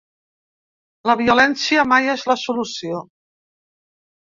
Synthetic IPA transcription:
ləβiulɛnsiəmajezləsulusio

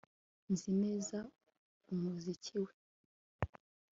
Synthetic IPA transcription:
nzimeza | umuzicʰiwe

